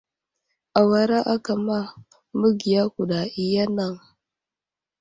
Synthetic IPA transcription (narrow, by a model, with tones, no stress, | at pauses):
a˨wa˨ɾa˦ʔa˦ka˨ma˦ | mu˦ɡi˨ja˦ku˨ɗa˨i˨ja˦na˨ŋ